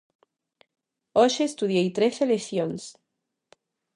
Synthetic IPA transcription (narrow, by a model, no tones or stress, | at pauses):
oʃeːst̪uðjejt̪ɾeθeleθjons